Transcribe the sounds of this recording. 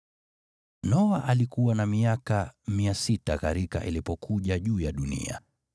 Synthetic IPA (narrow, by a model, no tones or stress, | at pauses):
nɔwaʔalikuwanamiakamiasitakaɾika̰ʔilipɔkʰuʄaʄuːjaɗunḭa̰